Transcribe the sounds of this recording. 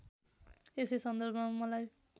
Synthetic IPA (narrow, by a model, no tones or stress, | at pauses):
esejsʌnd̪ʌrbʱʌamʌlaj